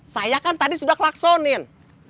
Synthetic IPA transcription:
sajakant̪adisudahklaksɔnɪn

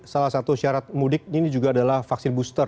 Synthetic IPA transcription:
salahsat̪uʃiaɾat̪̚mudɪk̚inid͡ʒuɡaːdalahfaksɪnbust̪ər

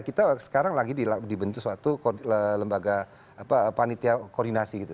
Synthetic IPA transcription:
kit̪asə̥kaɾaŋlaɡidiladibənt̪usuat̪ukələmbaɡa | apapanit̪iakɔrdinasiɡit̪u

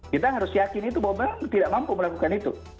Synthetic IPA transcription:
kit̪aɦaɾʊsjakɪnit̪ubawabaat̪idaʔmampuməlakukanit̪ṵ

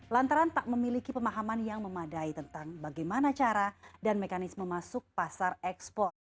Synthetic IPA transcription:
lant̪aɾant̪aʔ̚məmilikipəmaɦamanjaŋməmadait̪ənt̪aŋbaɡajmanat͡ʃaɾadanmekanɪsməmasʊk̚pasarɛkspɔrt̪̚

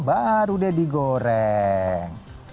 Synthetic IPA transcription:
baɾudɛdiɡoɾɛ | ŋ

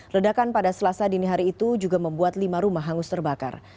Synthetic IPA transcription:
lədakanpadasəlasadiniɦaɾiːt̪ud͡ʒuɡaməmbuat̪limaɾumaɦːaŋʊst̪ərbaka̰r

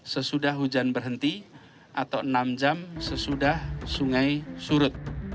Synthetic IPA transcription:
səsudahɦud͡ʒanbərɦənt̪i | ʔat̪awənamd͡ʒamsəsudahsuŋajsuɾʊt̪̚

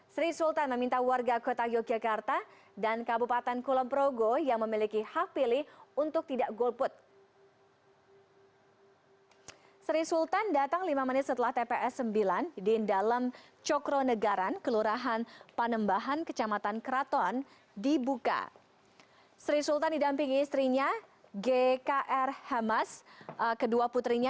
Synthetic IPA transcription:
sɾisult̪anməmint̪awarɡakot̪ajɔd͡ʒakart̪a | dankabupat̪ɛnkulɔmpɾoɡojaŋməmilikihak̚piliunt̪ʊk̚t̪idaʔɡolpʊt̪̚ | sɾisult̪andat̪aŋlimamənɪt̪̚sət̪əlaht̪epeʔɛsːəmbilandɪndalamt͡ʃɔkɾonəɡaɾankəluɾaɦanpənəmbaɦankət͡ʃamat̪ankɾat̪ɔn | dibuka̰ | sɾisult̪andidampɪŋːst̪ɾiɲa | ɡekaʔɛrhamaskəduaput̪ɾiɲa

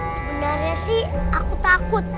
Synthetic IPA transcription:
səbənərɲasɪh | akut̪akʊt̪̚

